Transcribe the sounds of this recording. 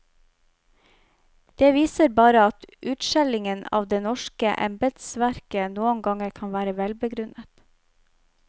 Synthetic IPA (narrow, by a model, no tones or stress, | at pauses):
d̪̥eːʋiːsəɾbɑːɾəɑt̪ʔʉːt̪ʃɛlɪŋənɑ̰ːʋd̪eːnɔʃkəʔɛ̰mbəd̪sʋæɾkənuːəŋɡɑŋəɾkʰɑnʋæːɾəʋɛlbəɡɾʉnət̪